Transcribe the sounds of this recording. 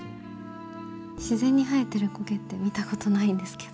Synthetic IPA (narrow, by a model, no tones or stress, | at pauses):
ɕizẽ̞ɲ̟ːiɦaet̪ːeɾɯ̟ko̞ke̞t̪ːe̞mʲit̪ako̞t̪o̞naĩnd̪e̞sɨ̥ke̞̥d̥̪o